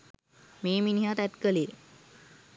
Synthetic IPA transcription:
meːminiɦat̪æt̪kəlije

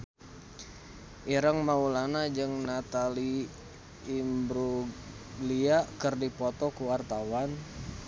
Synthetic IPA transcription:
ʔiɾəŋmaulanad͡ʒɨŋnat̪aliː | mbɾu | liakərdipɔt̪ɔkuwart̪awan

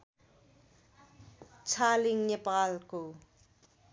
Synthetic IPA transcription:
t͡sʰaːliŋɲɛpalku

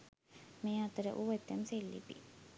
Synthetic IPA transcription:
meːat̪əɾə̰ʔuʋet̪ːemselːḭpḭ

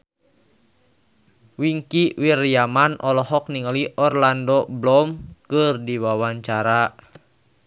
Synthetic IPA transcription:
wiŋkiwirjamanʔɔlɔɦɔk̚niŋaliʔɔrlandɔblɔmkɨrdiwawaɲt͡ʃaɾa

